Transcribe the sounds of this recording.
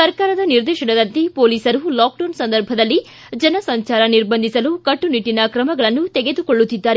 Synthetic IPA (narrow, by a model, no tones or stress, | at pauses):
sɐɾkaːɾɐd̪ɐniɾd̪ɛːʃɐɽɐd̪ɐnt̪ipoːliːsɐɾulaːkɖɐːnsɐnd̪ɐɾbʱɐd̪ɐlːi | d͡ʒɐnɐsɐɲt͡ʃaːɾɐniɾbɐnd̪isɐlukɐʈːuniʈːinɐkɾɐmɐɡɐɭɐnːut̪ɛɡe̞d̪ukoɭːut̪ːid̪ːaːɾe